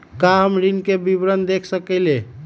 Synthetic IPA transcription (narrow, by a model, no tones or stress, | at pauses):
kaɦəmɾinkebibɾənd̪ekʰsəkɛle